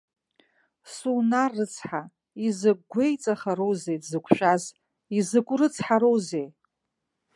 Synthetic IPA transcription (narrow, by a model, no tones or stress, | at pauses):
sunarːɨt͡sʰħa | izɨɡʷejt͡sʼaχaɾowzejdzɨkʷʰʼʃᶣaz | izɨkʷʼrɨt͡sʰħaɾowzej